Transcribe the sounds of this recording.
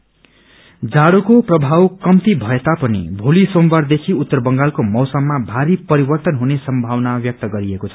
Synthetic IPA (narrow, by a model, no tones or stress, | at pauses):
d͡zaɽokoprʌbʱawkʌmt̪ibʱʌet̪apʌnḭbʱolisombard̪ekʰiut̪ːʌrbʌŋɡalkomʌwsʌmːabʱaɾipʌɾibʌrt̪ʌnɦunesʌmbʱawnabjʌk̚t̪ʌɡʌɾiekot͡sʰʌ̥